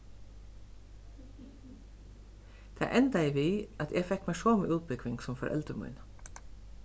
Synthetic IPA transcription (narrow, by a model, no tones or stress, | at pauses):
t̪ʰæ̰ːʔɛnd̪æɪʋiːʔɑt̪ʰɛfɛkmæɪʃoːmiːʔʉːt̪̚bʏkʋɪŋɡsɔmfɔɾʔɛ̰lt̪ɾəmʊ̰ʏn